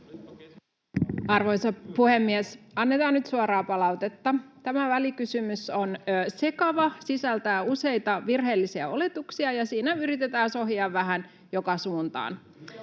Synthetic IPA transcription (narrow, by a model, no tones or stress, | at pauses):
ɑrʋo̞jsɑpuhemːiesɑnːe̞t̪ɑːnnyt̪suɑɾɑːpɑlɑwt̪e̞t̪ːɑt̪æmæʋælikysymyso̞nːse̞kɑʋɑsisælt̪æɑuse̞jt̪ɑʋirɦe̞ːlːisiæo̞le̞t̪uksiɑjɑsiːnæyɾit̪et̪æːnso̞ɦjɑːʋːæɦæn | jo̞kɑsuːnt̪ɑ̰ːn